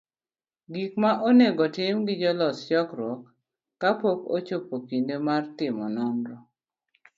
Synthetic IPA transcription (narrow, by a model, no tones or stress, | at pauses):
ɡikmaʔoneɡɔtɪmɡɪd͡ʒɔlɔst͡ʃɔkɾwɔkː | apoko̰t͡ʃopokindemartɪmɔnɔmɾɔ